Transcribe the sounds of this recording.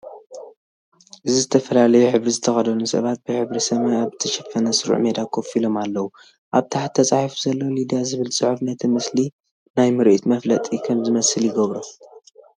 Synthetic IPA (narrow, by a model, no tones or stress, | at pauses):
ʔɨzizɨt̪ʰɐfɐlalɐjuħɨβɾizɨt̪ʰɐxɐd̪ɐnusɐ̰βat̪̚bɨħɨβɾisɐmajaβt̪ʰiʃɐfɐnɐsɨɾṵʕmed̪akʰofilo̞malːɐwu | ʔaβt̪ʰaħat̪ʰːɐt͡sʼaħifuzɐlːolid̪ijazɨβɨlt͡sʼɨħufnɐt̪ʰimɨsli | najmɨɾʔit̪mɐflɐt̪ʼikʰɐmzɨmɐsɨljɪɡɐβɾo